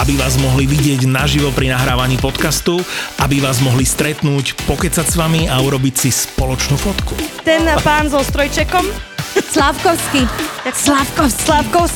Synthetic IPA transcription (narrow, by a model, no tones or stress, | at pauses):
abiʋaːzmɔɦliʋiɟɪɛɟnaʒiʋɔpɾinaɦɾaːʋaɲiːpɔt̪kast̪uabiʋaːzmɔɦlist̪ɾɛt̪nuːcpɔkɛt͡sacsʋamiauɾɔbicsispɔlɔt͡ʃnuːfɔt̪kut̪ɛnapaːnzɔst̪ɾɔjt͡ʃɛkɔmslafkɔʊskiaslafkɔslafkɔʊs